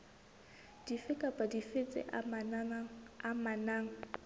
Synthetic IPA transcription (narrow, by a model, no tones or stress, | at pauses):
d̥ifɪkʼapʼadifɪt͡sʼɪ̰ʔan | amanaːŋ̩